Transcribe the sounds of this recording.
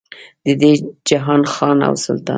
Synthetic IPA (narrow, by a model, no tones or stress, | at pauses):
d̪̥əd̪ed͡ʒaɦɑnxɑna̰wsʊ̰lt̪ɑ̰